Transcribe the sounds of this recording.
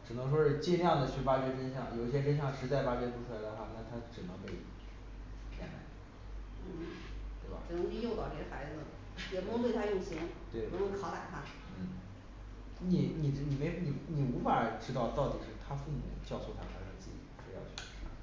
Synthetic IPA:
ʈ͡ʂɻ̩˨˩nɤ˧˥ŋʂ̬wɔ˥ʂɻ̩˥˧t͡ɕɛ˥˧nljɑ˥˩ŋd̪ə˩t͡ɕʰy˥˩fa˥t͡ɕɥɛ˥fə˥nɕjɑ˥˩ŋjo˨˩ʊi˥˩ɕ̬jɛ˥fə˥nɕ̬jɑ˥˩ŋʂɻ̩˧˥t͡sa˥˩ɪfa˥t͡ɕɥɛ˥pʰu˧˥ʈ͡ʂʰu˥˩la˧˥ɪd̪ə˧xwa˥˩na˥˩t̪ʰa˥ʈ͡ʂɻ̩˨˩nə˧˥ŋpe˥˧ɪ | pjɛ̰˥˩na̰˧˥˩ɪ | n̩˥˩ | t̪we˥˩ɪba̰˨˩ʈ͡ʂɻ̩˨˩nə˧˥ŋi˥˧jo˥˧ʊt̪ɑ˥˩ʊʈ͡ʂə˨˩xa˧˥ɪd͡zɹ̩˧ | jɛ˨˩pu˧˥˧t̪we˥˩t̪ʰa˥jʊ˥˩ɕi˧˥ŋt̪we˥˩ɪ˧˥no˧˥ŋkʰɑ˧˥la˨˩ɪt̪ʰa˥˩ | n̩˥˩ | ni˨˩ni˨˩˧ni˨˩me˧˥ɪni˨˩ni˨˩u˧˥fa˨˩˥ʈ͡ʂɻ̩˥t̪ɑ˥˧ʊt̪ɑ˥˩ʊt̪ḭ˨˩ʂɻ̩˥˩t̪ʰa˥fu˥˩m˨˩˨t͡ɕjɑ˥˧ʊso˥˩t̪ʰa˥a˧˥ʂə˥˩˧t͡ɕi˥˧ḭ˥˩ʂ̩˧˥jɑ̰˥˧ʊt͡ɕʰy̥˥˧˥

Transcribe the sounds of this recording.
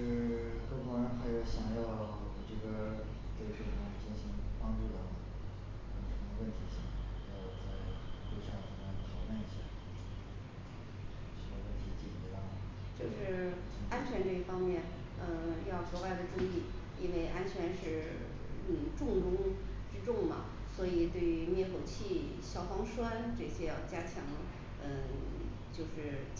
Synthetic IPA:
kɤ˥˩t̪ɔ˥ɻə˧˥nxa˧˥ɪjo˧˥ʊɕjɑ˨˩˦ŋjɑ˥˩ʊ | ʈ͡ʂɤ˥˩ɡə˩ | ko˥˩ʂɻ̩˥˩ə˧˩a˥˩˥t͡ɕi˥˩nɕi˧˥ŋpɑ˥ŋʈ͡ʂu˥˩t̪ɑ˥˩d̪ə˩ | a˥˩˨ʂə˧˥mə˧wə˥˩nt̪ʰi˧˥ɕɑ˥˩ŋ˥˩˧jɑ˥˧ʊ˩ʊt͡sa˥˩ɪlu˥˧ɕjɑ˥˩t̪ʰi˧˥ma˥˩nt̪ʰɑ˧˥ʊma˥˩ni˥˩ɕjɛ̰˥˩ | ʂə˧˥ə˧wə˥˩nt̪ʰi˧˥t͡ɕi˥˩i˧˥ɑ˥˩ | t͡ɕjo˥˧ʊʂɻ̩˥˧ | a˥nt͡ɕʰɥɛ˧˥nʈ͡ʂɤ˥˧i˥˩fɑ˥ŋmjɛ˥˩n | ə˧jɑ˥˩ʊkɔ˧˥wa˥˩ɪd̪ə˨ʈ͡ʂu˥˧ŋi˥˩ | i˥nwe˥˩ɪʔa˥nt͡ɕʰɥɛ˧˥nʂɻ̩˥˩ | n̩˥˩ʈ͡ʂʊ˥˧ŋʈ͡ʂʊ˥ŋ | ʈ͡ʂɻ̩˥ʈ͡ʂʊ˥˩ŋmɐ̰˩ | swɔ˧˥i˨˩t̪we˥˩ɪy˧˥mjɛ˥˩kʰo˨˩ʊt͡ɕʰi˥˩ | ɕjɑ˨˩ʊfɑ˥ŋʂwa˥nʈ͡ʂɤ˥˩ɕjɛ˥jɑ˥˩t͡ɕja˥t͡ɕʰjɑ˧˥ŋ | ə˥˧ | t͡ɕjo˥˧ʊʂɻ̩˥˧˩

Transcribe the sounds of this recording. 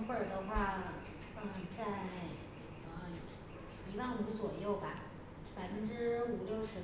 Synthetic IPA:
xə˨˩d̪ə˧xwa˥˩nə˩˥˩ | t͡sa˥˧ɪ | t͡s | i˧˥wa˥˩nu˧˥t͡swɔ˨˩jo˥˩ʊba˩ | pa˨˩ɪfə˥nʈ͡ʂɻ̩˥u˨˩ljo˥˩ʊʂɻ̩˧˥

